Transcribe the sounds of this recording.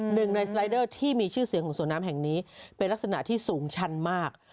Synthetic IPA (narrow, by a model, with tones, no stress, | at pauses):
nɯ˨˩ŋna˧jsɾa˧˥jdɤː˥˩t̪ʰiː˥˩miː˧t͡ɕʰɯː˥˩si˨˩˦kʰɔː˩˦ŋsu˩˦naː˦˥mɦɛ˨˩ŋniː˦˥pe˧nla˥k̚s̬a˧na˨˩ʔt̪ʰiː˥˩suː˩˦ŋt͡ɕʰa˦˥nmaː˥˩k̚